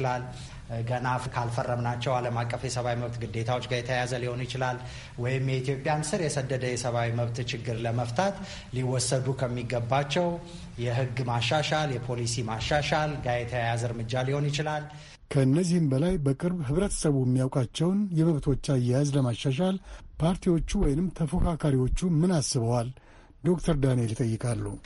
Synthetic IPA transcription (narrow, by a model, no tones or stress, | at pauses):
lal | ɡənafkʰalfərːəmnat͡ʃːɛwaləmakʼːəfjɛsəβawiməβt̪ɡɨd̪ːe̞t̪ʰawo̞t͡ʃːɡajɛt̪ʰəjazəliho̞njɪt͡ʃɪlal | wɔjɪmjɛit̪ʰjo̞pʼjamsɨɾjɛsəd̪ːəd̪əjɛsəβawiməβt̪t͡ʃɪɡːɨɾləməft̪ʰat̪ | liwɔsəd̪ukʰəmːiɡəbːat͡ʃːɛw | jɛɦɨɡmaʃːaʃaljɛpʰo̞lisimaʃːaʃalɡajet̪ʰəjajazɨɾmɨd͡ʒːaliho̞njɪt͡ʃɪlal | kʰəɨnːəzːihɨmbəlajbəkʼɨɾbɦɨβɾət̪ʰə̥səβujɛmːijawkʼat͡ʃːɛwnjɛməβt̪ʰo̞t͡ʃːajazləmaʃːaʃ̬alpʰaɾt̪ʰiwo̞t͡ʃːuwɔjnɨmt̪ʰəfokʰakʰaɾiwo̞t͡ʃːumɨnasɨβəwal | d̪o̞k̚t̪ʰəɾd̪anelit̪ʼəjːɨkʼalːu